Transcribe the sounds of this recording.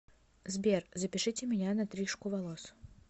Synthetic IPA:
zbʲerzəpʲɪʂɨtʲɪmʲɪnʲanɐt̪ɾʲiʂkʊvɐlˠos

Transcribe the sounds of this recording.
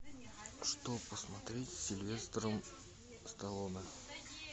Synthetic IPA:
ʂt̪opəsmɐt̪ɾʲetʲsʲɪlʲvʲe̞st̪əɾəm | st̪ɐlˠonə

